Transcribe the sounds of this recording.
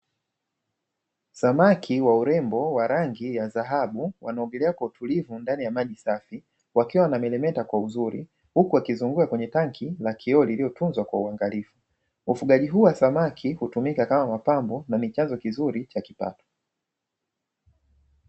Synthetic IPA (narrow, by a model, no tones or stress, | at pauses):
samakʰiwauɾɛmbɔwaɾaŋɡijazaɦaɓuwanaɔŋɡɛlɛakwautʰulivundanijamaʄisafi | wakiwanamɛlɛmɛtakwauzuɾḭ | hukuakizuŋɡuakwɛɲɛtaŋkʰilakʰiɔliliɔtunzwakwauaŋɡalifu | ufuɠaʄiɦuːwasamakʰihutumikakamamapambɔnamit͡ʃanzɔkizuɾit͡ʃakipa̰tɔ̥